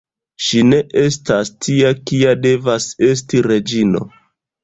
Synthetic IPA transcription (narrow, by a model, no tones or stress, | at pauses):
ʃine̞ʔe̞stastʰiakiade̞vase̞s̬tiɾe̞d͡ʒino̞̰